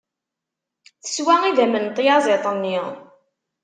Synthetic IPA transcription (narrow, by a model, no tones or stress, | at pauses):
θə̥swæiðæmənt̪ˤːjɑzˤet̪ˤənːi